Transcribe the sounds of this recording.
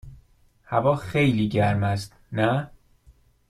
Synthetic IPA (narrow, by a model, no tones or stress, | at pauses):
hævɒːxejliːɟæɾmæst̪̚ | næ